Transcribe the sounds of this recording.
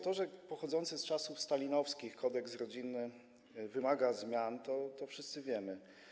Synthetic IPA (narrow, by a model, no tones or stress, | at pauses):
t̪ɔʐɛpɔxɔd̪zɔnt̪sɛst͡ʂasufst̪alʲinɔfskʲixkʰɔd̪ɛksɾɔd͡ʑinːɘ | vɘmaɡazmʲjant̪ɔt̪ɔfʂɘst̪sɘvʲjɛmɘ